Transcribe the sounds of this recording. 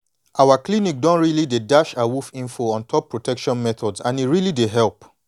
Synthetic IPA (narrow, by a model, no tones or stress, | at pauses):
ʔawaklinik̚dɔ̃nɹilidedaʃawufĩnfoɔ̃ntʰɔpːɹotɛkʃɔ̃nmɛt̪ɔdzãniɹilideɦɛlp